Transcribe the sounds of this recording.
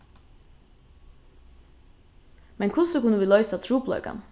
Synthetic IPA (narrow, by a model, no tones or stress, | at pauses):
mɛnkʰʊsəkʊnəʋiːlœʏsat̪ʰɾuːplœ̰ʏka̰n